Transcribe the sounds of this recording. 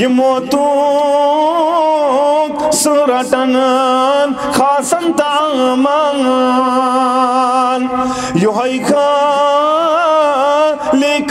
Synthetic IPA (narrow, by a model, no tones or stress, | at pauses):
jimoːt̪u | suɾɐʈɐn | n | kʰaːsɐnt̪amɐ | n | juɦɐjkʰɐ | lek